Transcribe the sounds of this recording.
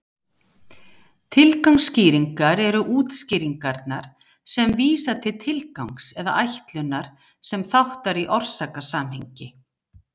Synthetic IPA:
t̪ʰɪlkawŋsːciːɾiŋkaɾɛɾʏʔuːt̪sciːɾiŋkaɾt̪naɾ̥ | sɛmviːsat̪ʰɪlt̪ʰɪlkawŋksɛða̰ʔajht̪lʏnaɾ̥ | sɛmθawht̪aɾiʔɔr̥saːkasaːmhɛɲcɪ

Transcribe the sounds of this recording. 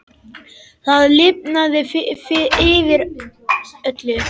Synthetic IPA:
θaðlɪpnaðɪffɪɪːvɪɾ | œt̪lʏ

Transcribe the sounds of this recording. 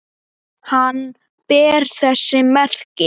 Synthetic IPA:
han | pɛːɾ̥θɛsːɪmɛr̥kɪ

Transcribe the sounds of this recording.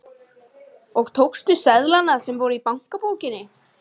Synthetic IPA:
ɔɣt̪ʰowkst̪ʏsɛðlanasɛmvowɾʏipawŋ̥kapoːwcɪnːɪ

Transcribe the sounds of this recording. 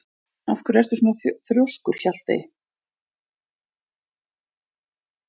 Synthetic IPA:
afkʏɾɛr̥t̪ʏ̥snaθθɾjowskʏɾ̥çal̥t̪ɪ̰

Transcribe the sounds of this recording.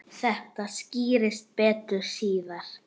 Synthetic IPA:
θɛht̪asciːɾɪst̪̚pɛːt̪ɾʏ̥siːðaɾ̥

